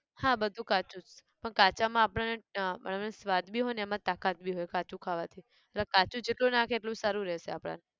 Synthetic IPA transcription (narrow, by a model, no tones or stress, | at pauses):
hãbəd̪ʱũkat͡ʃũt͡ʃpəɳkat͡ʃamãːpɽ̃anemə̰̃mnesʋad̪bʱiɦojnɛmãt̪akat̪̚bʱiɦojkat͡ʃũkʰaʋat̪ʰi | əlakat͡ʃũd͡ʒeʈlũnakʰeːʈlũsaɾũɾɛʃeapɽ̃a̰ne